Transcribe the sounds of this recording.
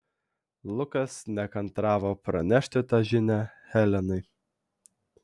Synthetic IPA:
lˠʊkɐsnʲɛkɐnt̪ɾɑːʋoːpɾɐnʲæʃʲt̪ʲɪt̪ɑʒʲɪnʲæhɛlʲɛnɐɪ

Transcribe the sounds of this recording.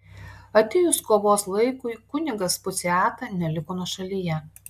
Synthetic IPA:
ɐt̪ʲɪjʊskoːʋoːslˠɐɪkʊɪkʊnʲɪɡɐspʊt̪sʲɪɑːt̪ɑnʲɛlʲɪkoːnuɔʃɐlʲiːjɛ

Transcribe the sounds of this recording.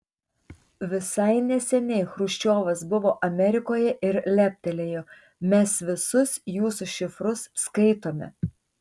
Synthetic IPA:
ʋʲɪsɐɪnʲɛsʲɛnʲɛɪxɾʊʃʲt͡ʃʲoːʋɐsbʊʋoːʔɐmʲɛɾʲɪkoːjɛʔɪɾlʲæpʲt̪ʲɛlʲeːjoː | mʲɛsʋʲɪsʊsjuːsuʃʲɪfɾʊsːkɐɪt̪oːmʲɛ̰

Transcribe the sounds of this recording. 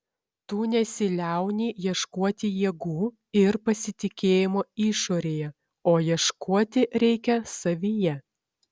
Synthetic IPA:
t̪uːnʲɛsʲɪlʲæˑʊnʲiːjiɛʃkuɔt̪ʲɪjiɛɡuː | ɪɾpɐsʲɪt̪ʲɪkʲeːjɪmoːiːʃoːɾʲeːjɛ | oːjiɛʃkʰuɔt̪ʲɪɾʲɛɪkʲɛsɐʋʲiːjɛ

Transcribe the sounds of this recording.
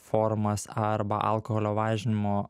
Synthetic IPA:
foːɾmɐsɐɾbɐ̰ʔɐ̰lˠkoɦoːlʲoːʋɑːʒʲɪnʲɪmoː

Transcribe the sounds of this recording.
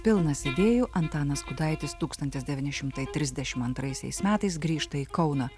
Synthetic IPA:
pʲɪlˠnɐsʲɛd̪ʲeːjʊʔɐnt̪ɑːnɐskʊd̪ɑɪt̪ʲɪst̪uːkst̪ɐnʲt̪ʲɪsd̪ʲɛʋʲiːnʲɪʃʲɪmt̪ɐɪt̪ʲɾʲɪzd̪ʲɛʃʲɪmɐnt̪ɾɐɪsʲɛ̰ɪsmʲæːt̪ɐɪsɡɾʲiːʃt̪ɐiːkɒʊnɐ

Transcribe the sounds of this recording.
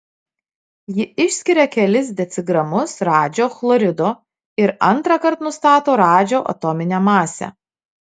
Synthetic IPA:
jɪɪʃʲsʲkʲɪɾʲɛkʲɛlʲɪsd̪ʲɛt̪sʲɪɡɾɐmʊsɾɑːd͡ʒʲoːxlˠɔɾʲɪd̪oː | ɪɾɐ̰nˑt̪ɾɑkɐɾt̪nʊst̪ɑːt̪oːɾɑːd͡ʒʲoːʔɐ̰t̪ɔmʲɪnʲɛmɑːsʲɛ̰

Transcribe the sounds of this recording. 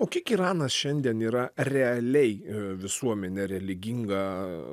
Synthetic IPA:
oːkʲɪkiːɾɑːnɐsʃʲɛnʲd̪ʲiɛniːɾɐrʲɛɐlʲɛɪʋʲɪsuɔmʲɛnʲɛɾʲɛlʲɪɡʲiŋɡɐ

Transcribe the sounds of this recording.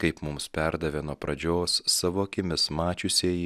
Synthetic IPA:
kɐɪpmʊmspʲɛɾd̪ɐʋʲeːnuɔpɾɐd͡ʒʲoːsːɑːʋoːɐkʲɪmʲɪsmɑːt͡ʃʲʊsʲeːji

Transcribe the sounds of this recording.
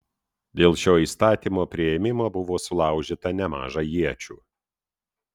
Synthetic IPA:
d̪ʲeːlˠʃʲoːiːst̪ɑːt̪ʲiːmoːpʲɾʲɪɛmʲɪmoːbʊʋoːsʊlˠɑˑʊʒʲit̪ɐnʲɛmɑ̰ːʒɑjiɛt͡ʃʲuː

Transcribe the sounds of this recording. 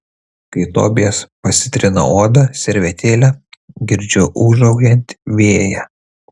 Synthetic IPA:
kɐɪt̪o̰ːbʲɪɛspɐsʲɪt̪ʲɾʲɪnɐ̰oːd̪ɐsʲɛɾʲʋʲɛt̪ʲeːlʲɛɡʲɪɾʲd͡ʒʲʊʔʊʒɐʊɡʲɛnʲt̪ʲʋʲeːjɛ

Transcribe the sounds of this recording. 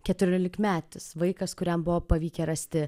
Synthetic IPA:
kʲɛt̪ʊɾʲoːlʲɪkmʲæːt̪ʊsʋɐɪkɐskʊɾʲɛmbʊʋoːpɐʋʲiːkʲɛɾɐsʲt̪ʲɪ

